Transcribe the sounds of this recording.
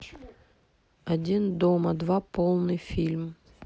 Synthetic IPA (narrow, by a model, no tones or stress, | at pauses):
ɐdʲind̪omɐd̪vapolˠnɨjfʲilʲm